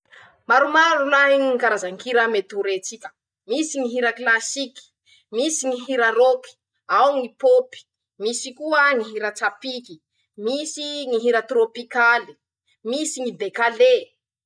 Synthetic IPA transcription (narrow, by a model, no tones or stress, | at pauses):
maɾumaɾunaŋikaɾazaŋkiɾamet̪uɾet͡sikə̥ | misiŋiɦiɾəklasiki̥ | misiŋiɦiɾaropi̥ | awŋipopi̥ | misikuəŋiɦiɾət͡safiki | misiŋiɦiɾat̪ropikali̥ | misiŋibekale